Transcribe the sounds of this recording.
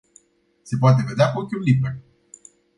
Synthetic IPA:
se̞poat̪̬e̞ve̞d̪eakokʲiunliber

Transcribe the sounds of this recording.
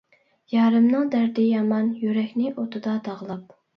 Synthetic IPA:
jɑːɾɨmnɨŋd̪æɾd̪ɪjɑmɑnjyɾɛkʲnɪʔot̪ʰɨd̪ɑd̪ɑʁlˠɑp

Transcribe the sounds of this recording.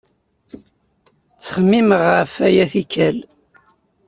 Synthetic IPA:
t͡sːə̥χəmːiməʁəfæjæθikæl

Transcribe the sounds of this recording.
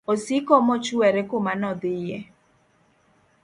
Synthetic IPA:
osikɔmɔt͡ʃuɛɾekomanɔd̪ɪjɛ

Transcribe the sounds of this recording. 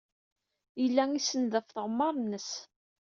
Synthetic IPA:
əlːæŋisənðəfθʁmːɑɾˤnːəs

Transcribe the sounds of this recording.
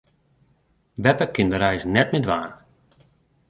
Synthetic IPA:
bɛpəkɪndəɾɛjsnɛt̚mɪdʋaːn

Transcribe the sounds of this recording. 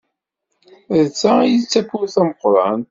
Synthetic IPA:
ðt͡sːajət͡sːæfʊɾθæməqɾˤɑ̰n

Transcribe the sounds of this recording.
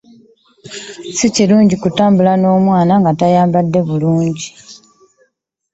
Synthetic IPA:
siciluːɲɟikutaːmbulano̞ːmwaːnaŋɡatajaːmbadːe̞βuluːɲɟi

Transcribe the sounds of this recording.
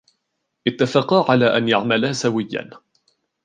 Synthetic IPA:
ʔɪt̪ːafɑqɑʕalaːʔanjaʕmalaːsawɪjːa̰n

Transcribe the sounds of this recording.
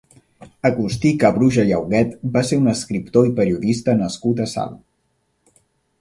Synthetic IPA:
əkust̪ikəβɾuʒəʎəwɣɛt̪baseɾunəskɾipt̪oipəɾiuðist̪ənəskut̪əsa̰l

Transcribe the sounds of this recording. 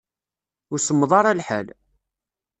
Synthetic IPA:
ʊɾsəmːðˤɑɾˤælħə̰l

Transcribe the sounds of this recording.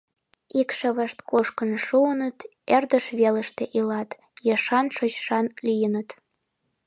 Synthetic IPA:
ikʃə̆βəʃt̪koʃkənʃuənət̪ | erd̪əʃβeləʃt̪eʔilɑt̪ | jɑʃɑnʃot͡ɕʃɑnlijənət̪

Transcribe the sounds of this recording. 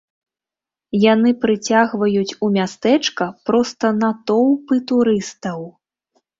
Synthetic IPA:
janɨpɾɨt͡sʲaɣvɐjut͡sʲumʲast̪ɛt͡ʂkɐpɾɔst̪ɐnɐt̪ɔwpɨt̪uɾɨst̪ɐw

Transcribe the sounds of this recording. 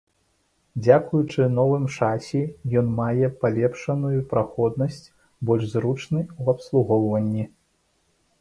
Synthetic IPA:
d͡zʲakujut͡ʂɨnɔvɨmt͡ʂasʲɛjɔnmajɛpalʲɛpʂɐnujupɾaxɔd̪̚nɐsʲt͡sʲ | bɔlʲʐzrut͡ʂnɨwɐpslˠuɣɔwvɐnʲːi

